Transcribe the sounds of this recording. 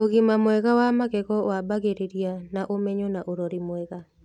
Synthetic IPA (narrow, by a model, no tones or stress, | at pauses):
oɣimamwɛɣawamaɣɛɣɔabaɣeɾeɾianaʔomɛɲɔnaʔoɾɔɾimwɛɣa